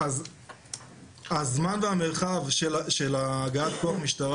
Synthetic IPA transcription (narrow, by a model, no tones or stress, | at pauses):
az | azmanveameʁχavʃeʃelaːɡaat̪koaχmiʃtaʁ